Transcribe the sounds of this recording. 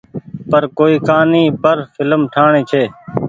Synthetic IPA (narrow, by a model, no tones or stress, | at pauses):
pəɾkoːiːkaːnĩːpəɾfʰɪləmʈʰaːɳiːt͡ʃʰeː